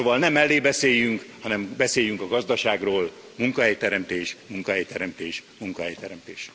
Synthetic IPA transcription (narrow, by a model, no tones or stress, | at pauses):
soːvɒlnɛmːɛlːeːbɛseːjyŋkhɒnɛmbɛseːjyŋkɒɡɒzd̪ɒʃaːɡroːl | muŋkɒɦɛjt̪ɛɾɛmt̪eːʃmuŋkɒɦɛjt̪ɛɾɛmt̪eːʃmuŋkɒɦɛjt̪ɛɾɛmt̪eːʃ